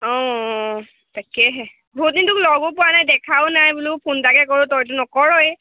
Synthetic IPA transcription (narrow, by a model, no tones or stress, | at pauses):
ɔ̃ | takɛɦɛ | bʱut̚nintuklɔɡʊpʊwanajdɛkʰawʊnajbulupʰuntakɛk̬ɔɹʊtɔjt̬unɔkɔɹɔj